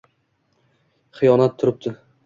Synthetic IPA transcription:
χɨjɒnat̪ʰːʊɾɪp̚t̪ʰɪ

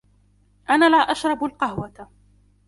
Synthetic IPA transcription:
ʔanaːlaːʔaʃɾˤɑbalqɑhwat̪a

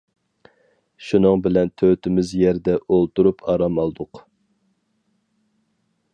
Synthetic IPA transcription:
ʃunɨŋbɪlɛnt̪ʰøt̪ʰɪmɪzjɛɾd̪ɛʔolˠt̪uɾupʰɑɾɑmɑlˠd̪ʊq

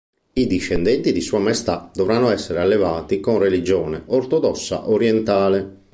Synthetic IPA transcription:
id̪iʃːɛnd̪ɛnt̪id̪isuːamajst̪ad̪ɔvɾanːoɛsːɛɾealːevaːt̪ikonrelid͡ʒɔːnɛort̪ɔd̪ɔsːa̰ʔoɾjɛnt̪aːle

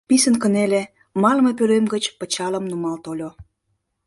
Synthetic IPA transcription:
pisənkənele | mɑlmep̬øɾemɡət͡ɕpə̆t͡ɕɑləmnumɑlt̪olʲo

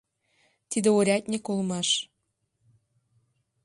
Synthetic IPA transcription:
t̪id̪ĕoɾʲɑt̪̚ʲnʲekolmɑʃ

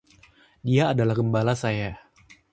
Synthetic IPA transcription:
diaːdalahɡəmbalasaja

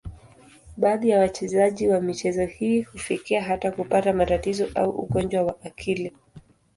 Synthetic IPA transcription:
ɓaːðijawat͡ʃɛzaʄiwamit͡ʃɛzɔhiːhufikiaɦatakupatamatatizɔʔauʔṵɠɔnd͡ʒwawaʔakʰili

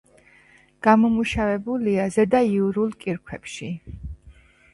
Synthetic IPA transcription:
ɡ̥amɔmuʃavɛbuliazɛd̪aiuɾulˠkʼiɾkʰwɛpʃi

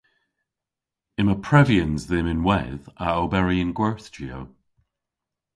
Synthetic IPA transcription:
ɪməpʰɹ̥ɛviə̃nzðɪmɪ̃nwɛðaobɛɹiə̃nɡwɛɹθd͡ʒio

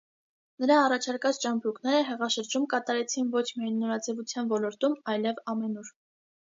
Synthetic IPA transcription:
nəɾɑːrɑt͡ʃʰɑɾkɑt͡st͡ʃɑmbɾuknɛɾəɦɛʁɑʃəɾd͡ʒumkɑt̪ɑɾɛt͡sʰinvɔt͡ʃʰmiɑjnːɔɾɑd͡zɛvut͡sʰjɑnvɔlɔɾt̪umɑjlɛvɑmɛnuɾ

